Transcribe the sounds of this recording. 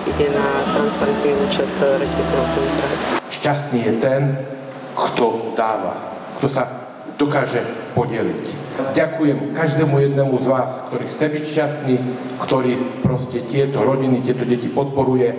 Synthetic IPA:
iɟɛnat̪ɾanspaɾɛnt̪niuːt͡ʃɛt̪ɾɛspɛk̚t̪iaɔt͡sɛnt̪ɾaʃcast̪niːjɛt̪ɛn | kt̪ɔd̪aːʋa̰ | kt̪ɔsa | d̪ɔkaːʒɛpɔɟɛlḭc | ɟakujɛmkaʒd̪ɛːmujɛd̪nɛmuzʋaːskt̪ɔɾiːxt͡sɛbicʃcast̪niː | kt̪ɔɾiːpɾɔscɛt̪ɪɛt̪ɔɾɔɟinit̪ɪɛt̪ɔɟɛcipɔt̪̚pɔɾujɛ

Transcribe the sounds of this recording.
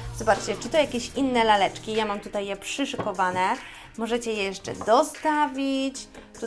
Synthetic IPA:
zɔbat͡ʂt͡ɕɛt͡ʂɘt̪ɔjakʲeɕinːɛlalɛt͡ʂkʲijamamt̪ut̪ajːɛpʂɘʂɘkɔvanɛ | mɔʐɛt͡ɕɛjɛjɛʂt͡ʂɛ̰d̪ɔst̪avʲit͡ɕt̪u

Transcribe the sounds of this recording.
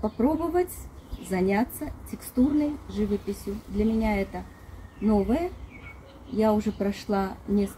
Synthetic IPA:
pɐpɾo̞bəvətʲzɐnʲat̪sːətʲɪkst̪urnəjʐɨvəpʲɪsʲjʊd̪lʲɐmʲɪnʲaɛt̪ə | no̞vəjə | jaʊʐɛpɾɐʂlˠanʲes

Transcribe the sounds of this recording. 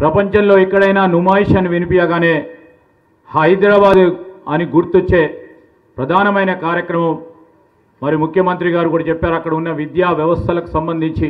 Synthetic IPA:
pɾɐpɐɲt͡ʃɐnlo̞ːikːɐɽɐjnaːnumaːjiʂɐniʋinipijaːɡaːne̞ː | hɐjd̪ɾaːbaːd̪ɐniɡuɾt̪ot͡ʃːe̞ː | pɾɐd̪ʱaːnɐmɐjnɐkaːɾjɐkɾɐmɐmː | ɐɾijumukʰjɐmɐnt̪ɾiɡaːɾukuːɽaːt͡ʃɛpːaːɾɐkːɐɽɐunːɐʋid̪jaːʋjɐʋɐst̪ʰɐlɐku̥sɐmbɐnd̪ʱiɲt͡ʃi

